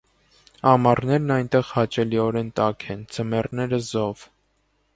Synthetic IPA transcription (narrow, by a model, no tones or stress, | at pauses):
ɑmɑrnɛɾnɑjnt̪ɛʁhɑt͡ʃɛliɔɾɛnt̪ɑkʰɛnd͡zəmɛrnɛɾəzɔv